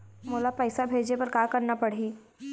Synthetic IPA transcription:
moːlapɛːsabʱeːd͡ʒepɐɾkaːkɐɾnapɐɽ̤iː

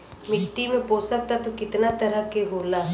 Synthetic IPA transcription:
mɪkʈːimẽpoːsɐk̚t̪at̪okɪt̪nat̪ɐɾəkeɦoːlaː

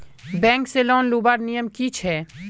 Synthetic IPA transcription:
bɛ̃ːŋkselɔːnluːbaːɾnijəmkit͡ʃʰɦɛː

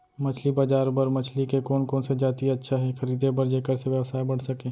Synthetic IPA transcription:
mɐt͡ʃʰlibad͡ʒaːɾbəɾmɐt͡ʃʰlikekoːnkoːnsed͡ʒaːt̪iɐtːʃʰaɦɛxɐɾiːd̪ʱebəɾd͡ʒeːkəɾseʋjəwsaːibɐɽ̤sɐkẽː

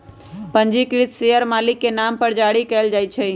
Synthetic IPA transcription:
pəɲd͡ʒikɾit̪ʰseəɾmaːlɪkːenampəɾd͡ʒaɽikɛːld͡ʒajt͡ʃʰɛ

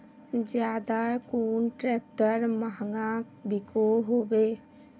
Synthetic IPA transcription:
d͡ʒjaːd̪akuːnʈɾɛːk̚ʈəɾmaɦŋɡã | bɪkoɦoːbeː

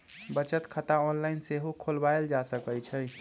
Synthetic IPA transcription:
bət͡ʃət̪kʰət̪aɔnlaɪnseɦokʰolbaeld͡ʒasəkəjt͡ʃʰə

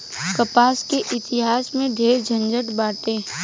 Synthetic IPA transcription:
kəpaːskeʔɪt̪ɪɦaːsmẽɖ̪ʱeːɾd͡ʒʱə̃nd͡ʒəʈbaːʈẽː

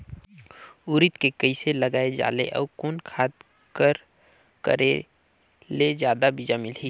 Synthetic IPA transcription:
uːɾɪt̪kekəiseləɡaːed͡ʒa̰ːlḛʔɔ̰ːkoːnkʰaːd̪ | kəɾ | kə̰ɾḛ | lezjaːd̪abʱid͡ʒamɪlɦi

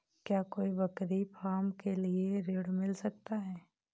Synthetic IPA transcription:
kjaːkoːibɐkɾipʰaːmkelieɾeːɽmɪlsɐk̚t̪aɦɛː

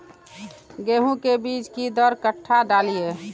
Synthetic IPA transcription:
ɡeːɦũkebiːt͡ʃkid̪əɾkəʈʰːaɖaːlije

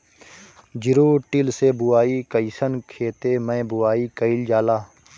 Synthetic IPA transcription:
d͡ʒɪɾoːʈɪlseːbʊaːiːkəisənkʰeːt̪eːmə̃bʊaːiːkəɪld͡ʒaːlaː

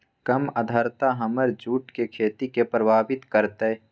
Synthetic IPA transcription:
kɐməd̪ʱəɾt̪aɦɐməɾd͡ʒuːʈkekʰeːt̪ikepɾəbʱaːbɪt̪kəɾt̪e

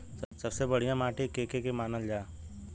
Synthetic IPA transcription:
sɐsɐbsebɐɽ̤ijãmaːʈikeːkekemaːnəld͡ʒaː

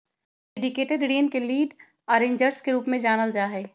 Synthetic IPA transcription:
ɖeːɖɪkeːʈeɖɽeːnkeliːɖ | ɔːɾẽːɲd͡ʒəɾskeɾuːpmẽd͡ʒaːnəld͡ʒaːɦɛː

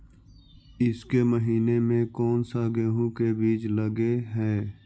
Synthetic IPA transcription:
ɪskeməɦiːnemẽkɔːnsaɡeːɦũkebiːt͡ʃləɡeɦɛː

